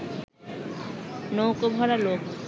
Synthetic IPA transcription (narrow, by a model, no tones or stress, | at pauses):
nowkobʱɔɾalok